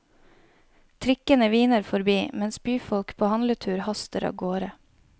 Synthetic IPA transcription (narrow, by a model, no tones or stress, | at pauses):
t̪ʰɾɪkənəʋiːnəɾfɔɾbiːmɛnsbyːfɔlkpʰoːhɑnlət̪ʰʉːɾhɑst̪əɾɑ̰ːʋɡoːɾə